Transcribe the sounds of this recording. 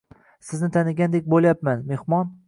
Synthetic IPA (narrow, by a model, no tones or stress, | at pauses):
sɪznɪt̪ʰanɪɡʲand̪ek̚ʲbolˠjapmanme̞hmɒn